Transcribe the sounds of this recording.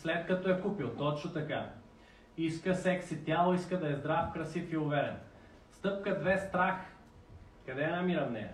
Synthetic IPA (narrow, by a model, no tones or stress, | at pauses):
slɛt̪kɐt̪ɔɛkupilˠt̪ɔt͡ʃnot̪ɐka | iskəsɛksit̪ʲjalˠoiskəd̪ɐɛzd̪ɾafkɾɐsifiʊvɛɾɛ̰t̪ | st̪ɤp̚kəd̪vɛst̪ɾax | kɐd̪ɛnamiɾɐmnɛ̰